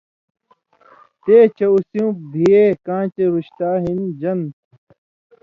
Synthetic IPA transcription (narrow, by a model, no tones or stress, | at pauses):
t̪eːt͡ɕɐusjũːbʱiekãːt͡ɕeɾuɕt̪aːɦind͡ʑɐnt̪